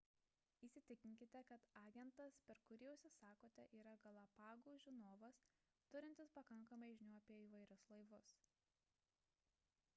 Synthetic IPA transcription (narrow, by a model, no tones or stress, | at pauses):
iːsʲɪt̪ʲɪkʲɪŋʲkʲɪt̪ʲɛkɐt̪ɑːɡʲɛnt̪ɐspʲɛɾkʊɾʲiːɛʊsʲɪsɑːkoːt̪ʲɛʔiːɾɐɡɐlˠɐpɑːɡuːʒʲɪnoːʋɐs | t̪ʊɾʲɪnʲt̪ʲɪspɐkɐŋˑkɐmɐɪʒʲɪnʲuːɐpʲiɛiːʋɐɪɾʲʊslˠɐɪʋʊs